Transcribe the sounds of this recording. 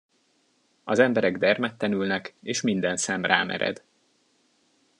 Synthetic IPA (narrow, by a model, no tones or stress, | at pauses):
ɒzɛmbɛɾɛɡd̪ɛrmɛt̪ːɛnylnɛkeːʃmind̪ɛnsɛmraːmɛ̰ɾɛ̰d̪